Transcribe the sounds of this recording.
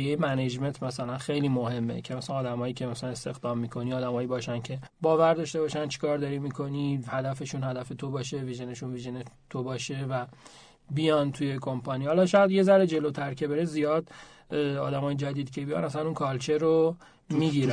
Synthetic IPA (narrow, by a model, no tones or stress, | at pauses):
jejmæned͡ʒme̞nt̪ʰmæsælænxejliːmohe̞mːḛcʰemæslænɒːd̪æmɒːjiːcʰemæsælænest̪e̞xd̪ɒːmːikʰo̞niːɒːd̪æmɒːjiːbɒːʃæncʰe̞bɒːvæɾd̪ɒːʃt̪e̞bɒːʃænt͡ʃʰi̥kʰɒːɾd̪ɒɾimiːkʰo̞nihæd̪æfe̞ʃunhæd̪æfe̞t̪ʰobɒːʃe̞viʒeneʃunviʒenet̪ʰobɒːʃe̞væ | bijɒnt̪ʰuje̞kʰo̞mpʰɒniːhɒlɒːʃɒjæd̪je̞zæɾed͡ʒe̞lot̪ʰæɾcʰe̞beɾezijɒːd̪ | ɒ̰ːd̪æmɒːjed͡ʒæd̪iːd̪cʰe̞bijɒ̰næslænunkʰɒːlt͡ʃʰeɾo | miːɡiːɾæ